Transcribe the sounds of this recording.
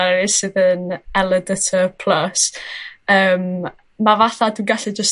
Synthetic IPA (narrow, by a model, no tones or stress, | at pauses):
ɾɪsɨðənɛlˠədətʰəpʰl̥ˠəs | əːm | mavaθadunɡaɬɪd͡ʒəs